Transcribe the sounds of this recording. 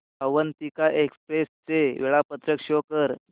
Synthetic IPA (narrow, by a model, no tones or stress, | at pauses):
əʋənt̪ikaʔekspɾest͡seʋeɭapət̪ɾəkʂokəɾ